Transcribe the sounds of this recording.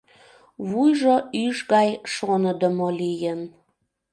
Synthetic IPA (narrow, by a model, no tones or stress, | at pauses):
βujʒoyʃɣɑjʃonəd̪əmolijən